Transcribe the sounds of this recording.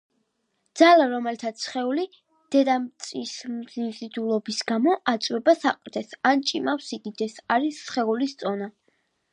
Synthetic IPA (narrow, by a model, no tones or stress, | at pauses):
d̪z̥alaɾɔmɛlit̪ʰat̪sʰχɛuli | d̪̥ɛd̪amt̪sʼismzinzid̪ulˠɔbisɡamɔʔat̪sʼwɛbasaqʼɾd̪ɛsant͡ʃʼimafsiɡid̪ɛsaɾisːχɛulist̪sʼɔna